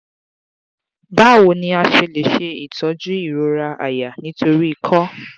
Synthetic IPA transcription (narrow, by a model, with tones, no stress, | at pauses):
ba˦˨wo˨˦nĩ˧a˧ʃe˧le˨˦ʃe˧i˨tʰɔ˨˦d͡ʒu˦i˦˨ɾo˨˦ɾa˧ʔa̰˨ja˨nĩ˨˦to˧ɾi˦i˧kʰɔ˦